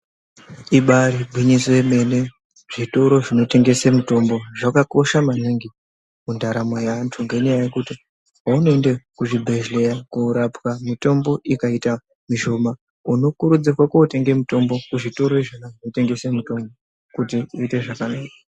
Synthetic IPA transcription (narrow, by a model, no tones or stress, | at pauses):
iɓaɾibʱwiɲisoeme̞ne̞ | ʐ̥ito̞ɾo̞ʐino̞te̞ŋɡe̞semuto̞mbo̞ʐakako̞ʃamaniŋɡi | mundaɾamwajantʰuŋɡeɲajaje̞kuti | ɦaunoe̞ndekuʐibʱe̞ʒle̞jakuːɾapwamito̞mbo̞ʔikaita | miʃo̞ma | uno̞kuɾud͡zirwakuote̞ŋɡemuto̞mbo̞kuʐito̞ɾo̞iʐanaʐinote̞ŋɡe̞semuto̞mbo | kutiuite̞ʐakanaːka